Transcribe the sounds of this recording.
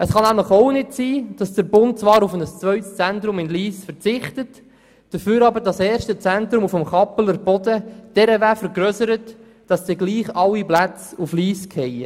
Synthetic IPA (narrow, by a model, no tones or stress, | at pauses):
əsχɑnæmləχoʊnɪtsiːd̥ɑsd̥əɾbʊnt̚t͡sʋɑːɾufənəst͡sʋœʏtst͡sɛntɾʊmɪnliːsfəɾt͡sɪχtət | d̥əføːɾɑbəɾdɑsɛːɾʃtət͡sɛntɾʊmufəmχɑpələɾb̥ɔdəd̥ɛɾəvæːfəɾɡɾøsəɾət | d̥ɑsdiɡliːχɑwiplæt͡sufliːskʰhɛjə